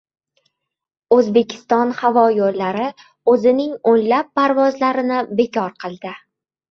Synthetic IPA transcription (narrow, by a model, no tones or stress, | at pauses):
ɵzbe̞kʲʰɪ̥st̪ɒnhavɒjoɾlaɾɪ | ɵzɪnɪŋonlapːaɾvɒzlaɾɪnɪbe̞kʰʲɒɾqʰɨlˠd̪ɪ